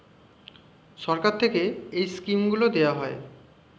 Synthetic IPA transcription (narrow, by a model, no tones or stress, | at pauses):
ʃɔɾkaɾt̪ʰekeejskimɡulod̪ewaɦɔe